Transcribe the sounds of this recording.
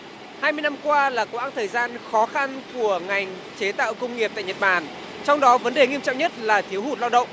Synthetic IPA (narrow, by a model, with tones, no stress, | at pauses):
haː˧jmɨ˧jna˧mkwaː˧laː˨˩ko˨˦wʔaː˧˥nt̪ʰəː˨˩jzaː˧nxɔ˨˦xa˧nku˧˩əŋa˨˩jŋ̟ | t͡ɕe˨˦t̪a̰ː˧˨wkə˧wŋ͡mŋi˨˩p̚t̪a̰˧˨ɲə˨˩t̚ɓaː˨˩n | t͡ɕɔ˧wŋ͡mɗɔ˨˦və˨˦nɗe˨˩ŋi˧əmt͡ɕɔ̰˧˨ŋ͡mɲə˦˥t̚laː˨˩t̪ʰi˨˦əwhu˧˩t̚laː˧wɗə̰˧˨wŋ͡m